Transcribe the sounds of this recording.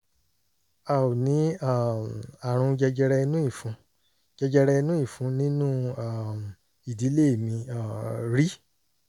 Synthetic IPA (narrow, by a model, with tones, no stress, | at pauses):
a˨o˨nĩ˨˦a˦˨ma˨ɾ̃ũ˧d͡ʒɛ˧d͡ʒɛ˧ɾɛ˧nũ˦i˦˨fũ˧˦ | d͡ʒɛ˧d͡ʒɛ˧ɾɛ˧i˧nũ˦i˦˨fũ˨˧nĩ˦nũ˦a˦˨m˨ | i˨di˨˦le˦e˦˨mĩ˧a˦˨ɾi˦